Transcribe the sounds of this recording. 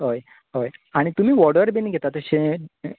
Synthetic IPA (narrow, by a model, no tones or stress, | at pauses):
ɦoj | ɦojaɽ̃it̪um̤iːʋɔɽəɾbinɡʱet̪at̪əɕe